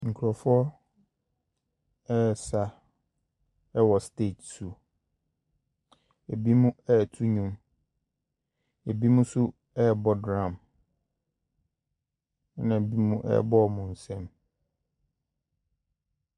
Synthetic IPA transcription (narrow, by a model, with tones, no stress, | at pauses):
ŋ̩˨kʰu˨ɾɔ˨fʊ˦ɔ˦ | ɛ˦˨sa˨ | ɛ˦wɔ˨ste˦˨tsu˨ | æ˨bi˦mũ˦ɛ˦˨tʰu˦ɲũ˨m | e˨bi˦mũ˦sʊ˦ | ɛ˦˨bɔ˦dɾã˨m˦ | nã˨bi˦mũ˦ʔɛ̰˦bɔ˦˨mũ˨n̩˨sɛ̃˦m